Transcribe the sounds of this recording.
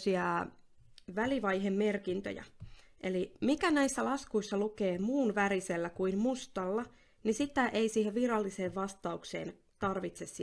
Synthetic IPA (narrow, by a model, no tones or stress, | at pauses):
siɑ | ʋæliʋɑjɦemːe̞rkint̪ø̰jæ̰ʔelimikænæisːælɑskuisːɑlukeːmuːnʋæɾiselːækuinmust̪ɑlːɑ | nisit̪æʔeisiːheʋʋirɑlːiseːʋʋɑst̪ɑukse̞̰ːn | t̪ɑrʋit̪sessi